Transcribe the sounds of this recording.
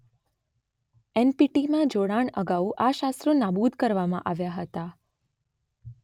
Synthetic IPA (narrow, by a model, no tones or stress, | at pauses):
ɛnpiʈimãd͡ʒoɽaɳəɡauʔaʃast̪ɾonabud̪ʱkəɾʋamã̰ʔaʋjaɦət̪a